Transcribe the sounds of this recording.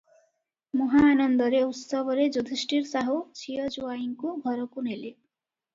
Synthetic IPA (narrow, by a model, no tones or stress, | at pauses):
muɦaːnʌnd̪ʌɾeut̪sʌbʌɾed͡zud̪ʱisʈiɾsaɦut͡sʰijʌd͡zuwaiŋkoɡʱʌɾʌkunele